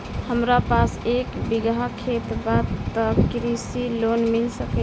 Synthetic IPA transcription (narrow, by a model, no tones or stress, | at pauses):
həmɾapasekbiɡakʰet̪bat̪ːəkɾisilonmilsəkə